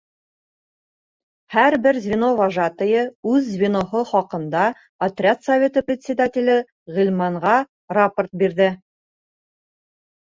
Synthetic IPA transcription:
hæɾbɘɾzʲvʲinovɐʒat̪ɤjɤʉzzʲvʲinoɦoχɒqɤ̆nd̪ɑ | ɐt̪ʲrʲat̪sɐvʲe̞t̪əprʲɪt̪ʲsʲɪd̪atʲɪlʲɘ | ʁĭlʲmɑɴʁɑ | rapərt̪̚biɾðɘ

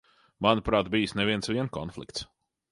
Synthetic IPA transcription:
manupɾaːt̪bijsnɛvʲiɛnsʋʲiɛnkɔ̰nflˠḭkt̪s

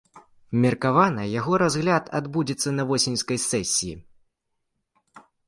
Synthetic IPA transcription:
mʲɛrkavanɐjaɣɔɾazɣlʲat̪a̰d̪bud͡zʲɛt̪sːɐnɐvɔsʲinʲskɐjsɛsʲiji

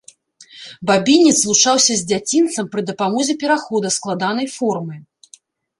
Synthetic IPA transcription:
babʲinʲit̪zlˠut͡ʂawsʲɐzʲd͡zʲat͡sʲint̪sɐmpɾɨd̪ɐpamɔzʲɛpʲɛɾaxɔd̪ɐsklˠad̪anɐjfɔrmɨ

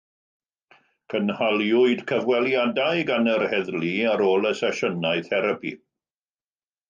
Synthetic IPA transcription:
kʰənhalˠjʊɨdkʰəvwɛlˠjadajɡanərhɛðliaɾoːlˠəsɛʃənajθɛɾəbḭ

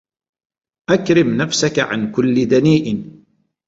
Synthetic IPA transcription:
ʔakɾɪmnafsakaʕa̰nkʊlːɪd̪aniːʔɪ

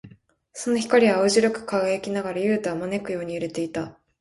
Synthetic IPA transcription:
so̞no̞çi̥kaɾʲiβaoʑiɾokɯ̟̥kaɡaekʲinaɡaɾajɯ̟ːt̪aamane̞kɯ̟jo̞ːɲ̟iɯɾe̞t̪e̞it̪a

